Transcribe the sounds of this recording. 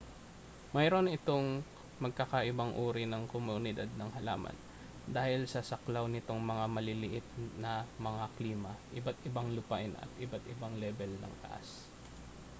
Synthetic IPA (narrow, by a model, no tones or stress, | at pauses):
mɐjɾo̞nɪt̪o̞ŋ | mɐɡ̚kakɐʔɪbaŋʔuːɾɪnɐŋkomʊnɪd̪ad̪̚nɐŋhɐla̰ːmɐ̰n | d̪aːhɪlsɐsɐklawnɪt̪oŋmɐŋamɐlɪlɪʔɪt̪̚nɐmɐŋakliːmɐʔɪbat̪ɪbaŋlʊpaʔɪnʔɐ̰t̪̚ʔɪbat̪ʔɪbaŋlɛbɛlnɐ̰ŋt̪ɐ̰ʔa̰s